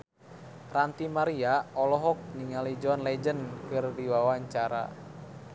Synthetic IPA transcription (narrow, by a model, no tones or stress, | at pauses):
rant̪imaɾiaɔlɔɦɔk̚niŋalid͡ʒɔnlɛd͡ʒənkɨrdiwawaɲt͡ʃaɾa̰